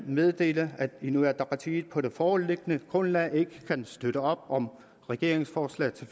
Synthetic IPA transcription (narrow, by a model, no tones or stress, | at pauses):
meðˠd̥e̝̰ːləæd̥inuæɐd̥ɑpʰɑt͡sʰḭːð̩ˠpʰɒ̽ɾ̥e̝fɒːɔlle̝ɡ̥ənəɡ̥ʁɔ̽nlɛe̝ɡ̥əkʰænsd̥øɾ̥əɒ̽b̥ɒ̽m | ʁɛɡ̥e̝ɐ̰eŋsfɒːslɛ̰ːt͡sʰe̝